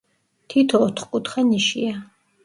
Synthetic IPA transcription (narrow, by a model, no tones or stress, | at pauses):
t̪ʰit̪ʰɔːt̪ʰχkʼut̪χɛniʃia